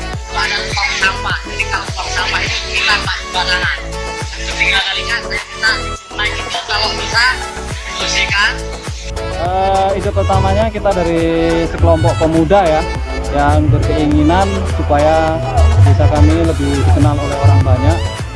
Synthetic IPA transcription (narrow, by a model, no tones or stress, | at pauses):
wadat̪ɔŋsampaapikalot̪ɔksampait̪ukilanlaəbanaɦan | sətiŋanalikat̪akit̪a | nakit̪ak̪alobisa | tusikan | əːid̪ʊpərt̪amaɲakit̪adaɾisəkəlɔmpɔʔpəmudaja | jaŋbərkəiŋinansupajabisakamiləbɪhdikənalolɛɦoɾaŋbaɲaʔ̚